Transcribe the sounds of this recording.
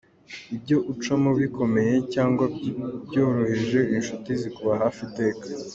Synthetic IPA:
ibɟo̞ʔut͡ʃamoβiko̞me̞je̞caːŋɡwabjo̞ːɾo̞he̞ʒe̞inʃutizikuβaɦaːfiteːka

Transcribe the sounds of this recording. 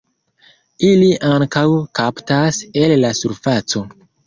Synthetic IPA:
iliʔaŋkawkaptase̞lːasuɾfat͡so̞

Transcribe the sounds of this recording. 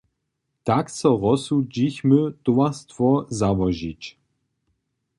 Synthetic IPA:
taksɔʁɔsud͡ʒiçmətoastfɔzavɔʒit͡ʃ

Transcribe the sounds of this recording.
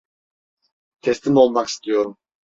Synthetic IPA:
t̪ʰe̞st̪imolˠmɑqi̥st̪ijoɾum

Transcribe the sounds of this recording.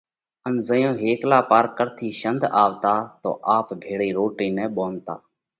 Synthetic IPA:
ənzəjõːɦeːklaːpaːɾkəɾt̪ʰiːʃənd̪ʱaːʋt̪aːt̪o̰ːʔaːpbʱeːɽiːɾoːʈĩːnɛ̃ːɓoːnt̪a̰ː

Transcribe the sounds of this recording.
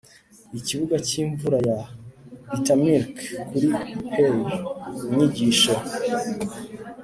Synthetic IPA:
iciβuɡaciːɱvuɾaja | itamiɾkkuɾipʰeliɲiɟiːʃo

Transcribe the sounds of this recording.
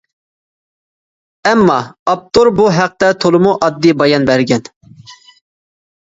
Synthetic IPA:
ɛmːɑːp̚t̪oɾbuɦæq̚t̪ɛt̪ʰolˠɨmuʔɑd̪ːibɑjɑnbæɾɡʲɛn

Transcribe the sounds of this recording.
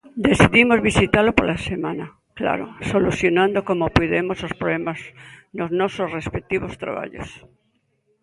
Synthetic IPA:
d̪esiðimozβisit̪alopolasemãna | kla̰ɾo̰soluθjonãnd̪okomopuðemosospɾoβlemaznoznososrespek̚t̪iβost̪ɾa̰βa̰ʎo̰s

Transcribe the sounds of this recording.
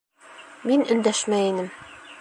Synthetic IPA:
minɵ̆nd̪æʃmæjinɘm

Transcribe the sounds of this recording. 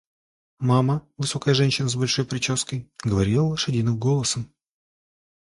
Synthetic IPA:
maməvɨso̞kəjəʐɛnʲɕːɪnəzbɐlʲʂo̞jpɾʲɪt͡ɕoskəjɡəvɐɾʲilˠəəʂɐdʲinɨxɡo̞lˠəsəm

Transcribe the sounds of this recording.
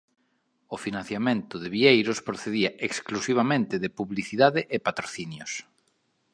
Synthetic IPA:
ʊfinãn̟θjamẽnt̪ʊðɪβiejɾʊspɾoθeðiɐʔeksklusiβ̞amẽnt̪ɪðɪpuβliθiðaðɪʔɪpat̪ɾoθinjʊs

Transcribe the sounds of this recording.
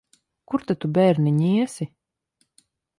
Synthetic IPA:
kuɾt̪at̪ubɛːɾnʲiɲiɛsi

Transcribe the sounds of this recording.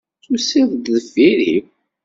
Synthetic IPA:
θusɪðˤd̪ðəfːiɾiw

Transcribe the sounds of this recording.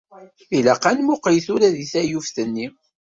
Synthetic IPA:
ilaqanmʊqiθuɾæðiθæjufθənːi

